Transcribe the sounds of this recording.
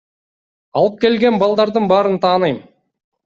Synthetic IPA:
ɑlˠɯp̚kʲe̞lɡʲe̞nbɑlˠd̪ɑɾd̪ɯɴbɑːɾɯnt̪ʰɑːnɯjm

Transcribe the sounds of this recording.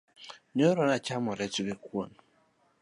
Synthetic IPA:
ɲoɾɔnat͡ʃamɔɾetukekwon

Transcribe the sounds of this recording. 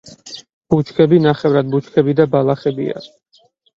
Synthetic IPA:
b̥ut͡ʃʰkʰɛbinaχɛvɾad̪̚but͡ʃʰkʰɛbid̪abalˠaχɛbḭa̰

